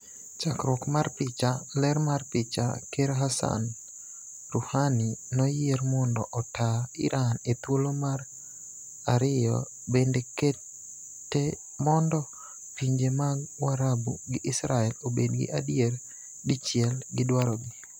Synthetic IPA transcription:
t͡ʃakɾwɔkmarpɪt͡ʃalɛɾmarpɪt͡ʃa̰keɾɦasa̰n | ruhaninɔjeɾmɔndɔʔɔtaɪ̰ɾʔanet̪wolomar | aɾɪjɔ̰ | bendeke | tːe | mɔndɔ | piɲd͡ʒemaɡwaɾabuɡɪʔɪsɾaɛlobedɡɪ̰ʔadjer | dit͡ʃɪɛlɡɪdwaɾɔɡi

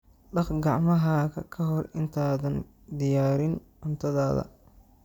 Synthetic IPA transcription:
ɖɑχɡɑʕmɐɦaɣɐkʰɐɦɔrɪnt̪ʰaːðɐn | d̪ɪjaːɾɪnʔʊnt̪ʰɐðaːðɐ̰

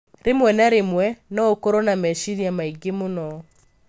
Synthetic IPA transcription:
ɾemwɛnaɾemwɛnɔokɔɾɔnamɛʃiɾiamaiɡemunɔ

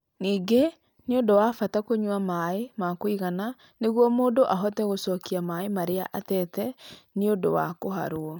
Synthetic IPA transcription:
niːŋɡe | neondowafatakoɲwamaemakoiɣana | neɣwɔmoːndoʔaɦɔtɛɣosɔkiamaemaɾea̰ʔatɛtɛneodo̰wa̰koɦa̰ɾoɔ

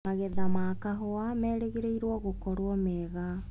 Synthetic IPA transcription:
aɣɛðamaːkaɦɔamɛːɾeɣeɾeiɾwɔɣokɔɾoɔmɛɣa

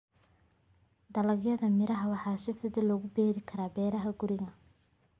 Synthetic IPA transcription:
d̪ɐlɐɡjɐðɐmɪɾɐɦɐwɑħɑːsɪfɐðɪlɔːɣʊbɛːɾɪkʰɐɾaːbɛːɾɐɦɐɡʊɾɪɣɐ

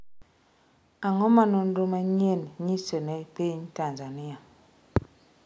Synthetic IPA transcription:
aŋɔmanɔndomaɲenɲisenɛpeɲtanzania

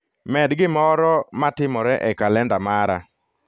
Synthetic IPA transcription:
mɛdɡɪmɔɾɔmatɪmɔɾɛʔɛkalɛndamaɾa̰

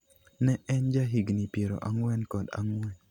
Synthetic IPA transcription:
nɛʔɛnd͡ʒaɦiɡnipjeɾo̰ʔaŋwɛnkɔda̰ŋwɛn

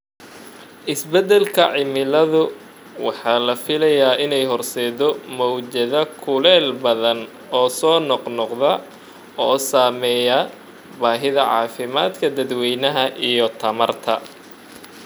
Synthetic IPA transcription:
ʔɪsbɛd̪ɛlkʰɐʕɪmɪlɐðʊ | wɑħɑːlɐfɪlɐjaːʔɪnɛjɦɔrsɛːðɔmɔwd͡ʒɐðɐkʰʊlɛːlbɐðɐn | ɔːsɔːnɔqnɔqðɐ | ɔːsaːmɛːjɐ | baːɦɪðɐʕɑ̰ːfɪmaːd̪kʰɐd̪ɐd̪wɛjnɐɦɐʔijɔt̪ʰɐmɐrt̪ʰɐ

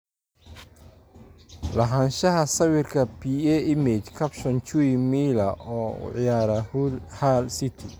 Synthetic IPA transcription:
lɐɦɐnʃɐɦɐsɐwɪrkʰɐpʰiɛɪmɛt͡ʃkʰɐpʃɔnt͡ʃuimiːlɐʔɔːʊ̰ʕɪjaːɾɐhulhalsɪt̪ʰi

